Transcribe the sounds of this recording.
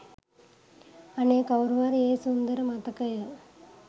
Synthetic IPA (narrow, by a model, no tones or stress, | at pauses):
ɐneːkɐwɾʋaːɾeːsund̪ɐɾɐmɐt̪ɐkɐj